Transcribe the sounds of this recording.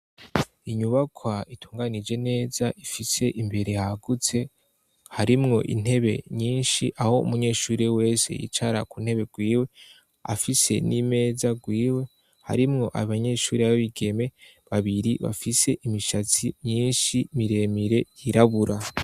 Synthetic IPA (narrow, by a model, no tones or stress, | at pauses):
iɲuβakʰwaitʰu̥ːŋɡanid͡ʒe̞ne̞ːzaʔifise̞ʔimbe̞ɾe̞haɡut͡se̞ | haɾimŋo̞ʔḭn̥e̞βe̞̰ɲiːnʃiʔaho̞ṵmuɲe̞ːʃuːɾewe̞ːse̞̰jḭt͡ʃaɾakuːn̥he̞βe̞ɡwiːwe̞ | a̰fise̞̰nime̞ːzaɡwiːwe̞ | ha̰ɾimŋo̞ʔaβaɲe̞ʃuːɾeaaβiɡe̞me̞ | βaβiɾiβa̰fise̞ʔimiʃat͡simɲiːnʃimiɾe̞ːmiɾe̞jiɾaβuɾa